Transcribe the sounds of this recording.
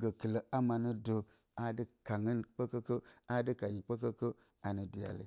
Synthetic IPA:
ɡə˨klo˨ʔa˦ma˨nu˦do˨ | a˦di˦ka˨ŋi˦nk͡po˦ko˦ko˦a˦di˦ka˨ɲi˨k͡po˦ko˦ko˦ | a˨nu˨di˨a̰˨lḭ˨

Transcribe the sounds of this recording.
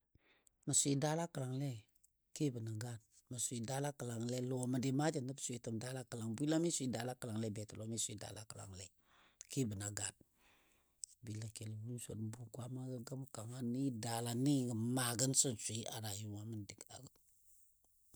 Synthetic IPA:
mə˨sʷi˨da˦la˦kə˨la˨ŋle˦ | ki˦bə˨na˨ɡa˦˨d̚ | mə˨sʷi˨da˦la˦kə˨la˨ŋle˦lo˨˦mə˨di˨ma˦d͡ʒə˨ndə˦bsʷi˨tə˨mda˦la˦kə˨la˨ŋbi˦la˦mi˦sʷi˦da˨la˦kə˨la˨ŋle˦be˨tə˨lo˨˦mi˦sʷi˨da̰˨˦la˦kə˨la̰˨ŋle˦˨ | ki˦bə˨na˨ɡa˦˨d̚ | bi˨la˨ke˨lbu˦n˦sʷo̰˨dbu˨kwa˦ma˦ɡə˦ɡə˦m˦ka˨ŋa˦ni˦da˨la˨ni˦ɡə˨ma˨ɡə˦nsə˦nsʷi˦ʔa˨ɾa˨ju˦˨wa˦mə˦ndi˨ka̰˨ɡə˨

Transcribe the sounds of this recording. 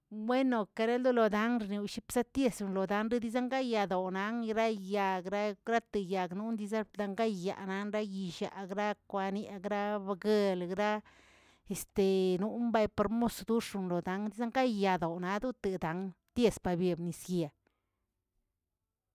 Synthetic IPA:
bwe˦no˨ka˧ɾe˦ld̪u˦lo˨d̪a˨˦ŋɾni˨wʃi˦psa˦t̪je˧sɾu˧nlo˨d̪a˦nɾe˦d̪i˦za˦ŋɡa˦ja˨d̪o˨na˧˦ŋ˧ɾa˦ja˨ɡɾa˦ɡɾa˦t̪ɨ˨ja˨ɡnu˦nd̪i˧za˦pd̪a˧ŋɡa˦ja̰˨na˦nɾa˦ji˧˨ʃa̰˨ɡɾa˦kʷa˧ni˦˧ɡɾa˦ba˧ɡe˧lɡɾa˦ | e˨st̪e˨nu˦mba˧jpa˧ɾmo˦sd̪u˦ʂu˧nlo˨d̪a˨˦ŋd̪i˦za˦ŋɡa˦ja˨d̪o˨na˨˧˦d̪u˦t̪e˨d̪a˨˦ŋ | t̪je˧spa˨bje˨bni˨sɡja˨

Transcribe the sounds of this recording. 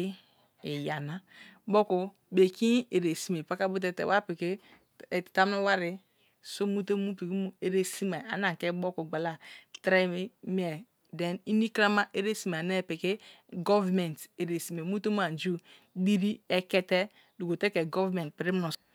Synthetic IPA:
e˨ja˨na˨bo˦ku˨ | be˨ki˦e˨ɾe˨si˨me˨pa˦ka˦bu˦t̬e˦tḛ˨wʔa˦pi˨ke˦˨ | ta˦m˦nu˦wa˦ɾi˨ | so˦mu˦te˦mu˦pi˨ki˦mu˦e˨ɾe˦si˦ma˨a̰˨na˨ke˦bo˦ku˨ɡ͡ba˨la˦tɾe˦m˦ɛ˨ | de˨ni˦ni˦kɾa˦ma˦ʔe˦ɾe˦si˨m˨ne˦˨pi˨ke˦ | ɡɔ˦vmɛ˨nte˨ɾe˨si˨me˨mu˦te˦m˦a˨n˨d͡ʒu˦ | di˦ɾi˦ɛ˦kɛ˦tɛ˦ | du˨ko˨te˦ke˨ɡɔ˦vmɛ̃˨nt̚pi˨ɾi˦m˦u˨

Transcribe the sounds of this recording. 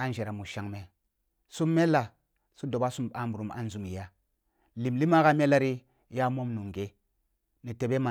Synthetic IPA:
a˦n˦d͡ʒe˨ɾa˨mu˨ʃa˨ŋme˨ | su˦mːe˦lːa˨ | su˦do˨ba˦su˦mɓa˦mbu˨ɾu˨ma̰˦n˦zu˨mi˨ja˦ | li˨mli˦ma˦ka˦me˦la˦ɾi˦ | ja˦mo˦mnu˨ŋɡe˨ | ni˨te˨ɓe˦ma˨

